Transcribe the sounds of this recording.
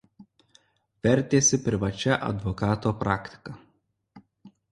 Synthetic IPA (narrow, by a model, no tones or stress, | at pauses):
ʋʲɛɾʲt̪ʲeːsʲɪpʲɾʲɪʋɐt͡ʃʲɛʔɐ̰d̪ʋɔkɑːt̪oːpɾɑːkʲt̪ʲɪ̥kɐ